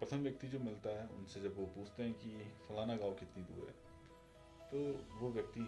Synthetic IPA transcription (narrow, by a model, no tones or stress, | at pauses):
pɐsə̃d̪ʋjɐk̚t̪id͡ʒoːmɪlt̪aɦɛʊ̰nsed͡ʒɐbʋopuːt͡ʃʰt̪eɦɛ̃kifɐlaːnaɡaːʋkɪt̪nid̪ṵːɾɦɛ̰ː | t̪oːʋoʋjɐk̚t̪i